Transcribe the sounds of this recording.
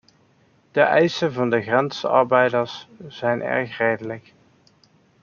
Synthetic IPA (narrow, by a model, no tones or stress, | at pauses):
d̥əʔɛjsənvɑndəɣrɛnsɑ̰ɹbɛjdəɹsz̥ɛjnɛ̰ɹxreːjdələk